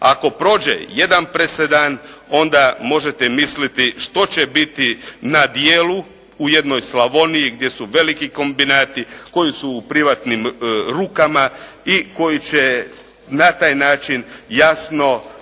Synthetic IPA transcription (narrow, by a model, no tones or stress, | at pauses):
a̰ko̞pɾo̞ːd͡ʑḛje̞d̪anpɾesed̪ano̞nd̪amo̞ʒet̪emislit̪iʃt̪o̞t͡ɕe̞bit̪inad̪jeːlu | uje̞d̪no̞jslaʋo̞nijiɡd̪je̞suʋe̞likiko̞mbinaːt̪iko̞jisuːpɾiʋat̪nimɾuːkamaiko̞jit͡ɕe | nat̪aːjnaːt͡ʃinjasno̞